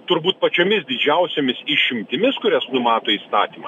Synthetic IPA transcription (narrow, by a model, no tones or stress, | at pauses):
t̪ʊɾbuːt̪̚pɐt͡ʃʲoːmʲɪs̬d̪ʲɪd͡ʒʲɛʊsʲoːmʲɪsiʃʲɪmʲt̪ʲɪmʲɪskʊɾʲɛsnʊmɑːt̪oːiːst̪ɑ̰ːt̪ʲiːmɐ